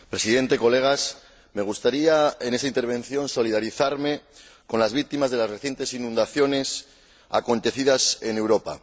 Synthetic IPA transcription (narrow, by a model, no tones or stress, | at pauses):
pɾe̞siðe̞nt̪e̞ko̞le̞ɣ̞as | me̞ɣ̞ust̪aɾiaene̞saint̪e̞ɾβ̞ẽ̞n̟θjo̞nso̞lið̞aɾiθaɾme̞ | ko̞nlazβik̚t̪imazðe̞lasre̞θje̞nt̪e̞sinũnd̪aθjo̞ne̞s | a̰ko̞nt̪e̞θiðase̞ne̞wɾo̞pa̰